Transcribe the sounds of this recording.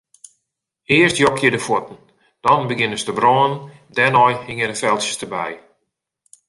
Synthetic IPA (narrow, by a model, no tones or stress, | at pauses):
ɪərstjɔkjədəfwotn̩ | d̥ɔnbəɡɪnəstəbrɔːən | dɛnɔjhɪŋədəfɛlˠsə̥stəbɛ̰j